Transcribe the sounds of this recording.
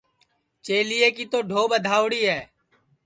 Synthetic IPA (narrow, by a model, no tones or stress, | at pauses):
t͡ʃeːliːeːkiːt̪oːɖʱoːɓəd̪ʱaːʊɽiːɦɛː